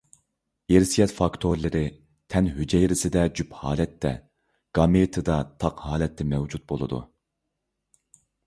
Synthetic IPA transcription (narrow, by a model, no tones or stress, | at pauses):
eɾsijɛt̪fɑkt̪ʰoɾlˠɪɾɪ | t̪ʰɛnɦyd͡ʒɛjɾɪsɪd̪ɛd͡ʒyphɑ̰ːlɛt̪ʰːɛ̰ | ɡ̥ɑmet̪ʰɨd̪ɑt̪ʰɑqhɑːlɛt̪ʰːɛmɛwd͡ʒut̪̚bolˠɨ̰d̪ṵ